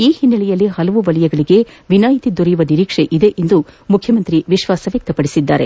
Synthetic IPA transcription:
iːhinːɐɭɛjɐlːihɐlɐʋuʋɐlɐjɛɡɐɭiɡe̞ʋinaːjit̪id̪ɔɾijuʋɐniɾiːkʂeʔid̪e̞ʔend̪umukʰjɐmɐnt̪ɾiʋiʃʋaːsɐʋjɐk̚t̪ɐpɐɽisid̪ːa̰ːɾe

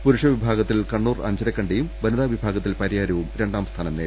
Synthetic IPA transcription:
puɾuʂɐʋibʱaːɡɐt̪ːilkɐɳːuːrɐ̰ɲd͡ʑɐɾɐkʲːɐɳɖejumbɐnɐðaːʋibʱaːɡɐt̪ːilpɐɾijaːɾɐʋumɾe̞ɳɖaːmst̪ʰaːnɐmneːɾ

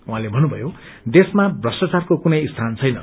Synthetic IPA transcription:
uɦãlebʱʌnːubʱʌjo | d̪esmabrʌsʈat͡sarkokunʌjst̪ʰant͡sʰʌjnʌ̰

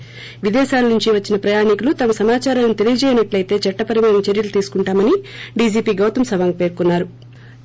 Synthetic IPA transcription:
ʋid̪ɛːʃaːlɐnuɲt͡ʃiʋɐt͡ʃːinɐpɾɐjaːɳikulut̪ɐmɐsɐmaːt͡ʃaːɾɐmnit̪e̞lijɐd͡ʒɛːjinɐʈlɐjt̪e̞ːt͡ʃɐʈːɐpɐɾimaːnɐmt͡ʃeɾjɐlut̪iːsu̥kuɳʈaːmɐniɖiːd͡ʒiːpiːɡɐwt̪ɐmsɐʋaːŋɡpe̞ːɾkunːaːɾu

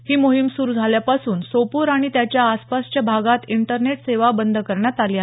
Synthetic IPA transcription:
hiːmoɦimsuɾud͡zʱaljapasuːnsopuɾaɽ̃it̪jat͡ɕjaːspast͡ɕjabʱaɡat̪iɳʈəɾneʈseʋabənd̪ʱkəɾɳjat̪alia

